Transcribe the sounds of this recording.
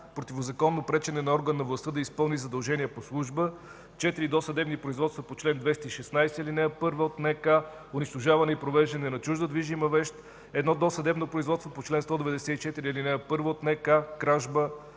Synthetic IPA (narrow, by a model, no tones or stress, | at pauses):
pɾot̪ʲivozɐkɔnːopɾɛt͡ʃɛnɛnɐɔɾɡənːɐvlˠɐst̪ɤd̪ɐispɤlˠnizɐd̪ɐlˠʒɛniəposlˠuʒbə | t͡ʃɛt̪iɾid̪ɔsəd̪ɛbnipɾoizvɔt̪st̪vɐpot͡ʃlɛnd̪vɛst̪iʃɛsnajsɛɛlinɛəpɤɾvəot̪nɛka | ʊniʃt̪oʒavɐnɛipɾovɛʒd̪ɐnɛnɐt͡ʃuʒd̪əd̪viʒimɐvɛʃt̪ | ɛd̪nɔd̪ɔsɐd̪ɛbnopɾoizvɔt̪t̪vopot͡ʃlɛnst̪ɔd̪ɛvɛd̪ɛsɛit͡ʃɛt̪iɾilinɛəpɤɾvəot̪nɛkakɾaʒbə